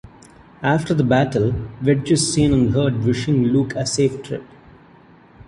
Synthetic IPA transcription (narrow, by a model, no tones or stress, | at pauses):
æːfʈəɾd̪əbæʈəlʋɪɖ̚d͡ʒɪssĩːnə̃nɦəːɾɖʋɪʃɪ̃ŋlukʰəseːfʈʰɾɪ̰p